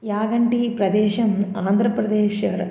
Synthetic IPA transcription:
jaːɡɐɳʈipɾɐd̪eːʃɐmaːnd̪ʱɾɐpɾɐd̪eːʃɐɾ

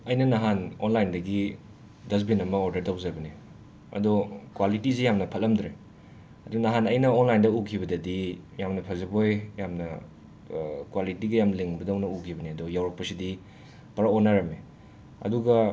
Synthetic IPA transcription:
ɐjnɐnɐɦanonlajndɐɡi | dɐs̬binɐmɐoɾdɐɾtawzajbɐne | ɐ̰dɔkwalitisijamnɐpʰɐlːɐmdɾe | ɐdɔnɐɦanɐjnɐonlajndɐukʰibɐdɐdijamnɐpʰɐzɐbojjamnɐ | kwalitiɡɐjamleŋbɐdawnɐukʰibɐniɐdɔjawɾɐk̚pɐsidi | pɐɾaonːaɾɐme | ɐ̰duɡɐ

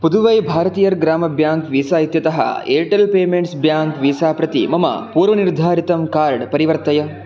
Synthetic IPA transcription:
pud̪uʋɐjbʱaːɾɐt̪iːjɐɾɡɾaːmɐbjaːŋkʋiːsaːɦit̪jɐt̪ɐɦɐ̰eːʈɐlpeːmeɳʈsbjaːŋkʋiːsaːpɾɐt̪ḭmɐmɐ̰puːɾʋɐniɾd̪ʱaːɾit̪ɐmkaːɾɖpɐɾiʋɐɾt̪ɐjɐ

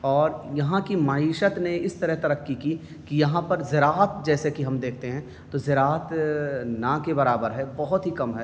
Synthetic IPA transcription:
ɔːɾjɐɦãkimaːiːʃət̪neɪst̪ɐɾəɦt̪ɐɾəkːiki | kijɐɦãpɐɾzɪɾaːɦət̪̚d͡ʒɛːsekiɦɐmd̪eːkʰt̪eɦɛ̃ | t̪ozɪɾaːət̪nakebɐɾaːbəɾɦɛbɐɦʊt̪ɦikɐmɦɛː

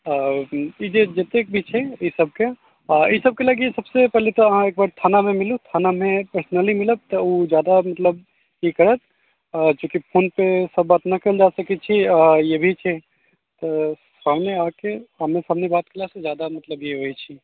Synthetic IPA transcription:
id͡ʒed͡ʒet̪ek̚bʱit͡ʃʰɛisɐb̚ke | isɐb̚keləɡeesɐbsepɛɦlet̪oɐɦãeːk̚baːɾt̪ʰaːnamẽmɪlut̪ʰaːnamẽpəɾsnəlimɪləb̚t̪ood͡ʒjaːd̪amɐt̪ləb | jekɐɾət̪̚ː | kjõːkipʰoːnpesɐbːaːt̪nɐkeld͡ʒaːsɐkit͡ʃʰijebʱit͡ʃʰe | t̪osaːmneaːkeɦɐmesaɦmnebaːt̪̚kɐlasezjaːd̪amɐt̪ləbjeɦoit͡ʃʰi

